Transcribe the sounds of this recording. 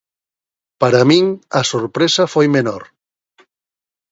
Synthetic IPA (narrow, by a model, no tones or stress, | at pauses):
paɾamĩŋɐsoɾpɾesafojmenoɾ